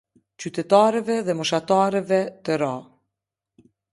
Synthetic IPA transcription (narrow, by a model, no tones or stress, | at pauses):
t͡ɕyt̪ɛt̪aɾɛvɛðɛmɔʃat̪aɾɛvɛt̪əɾa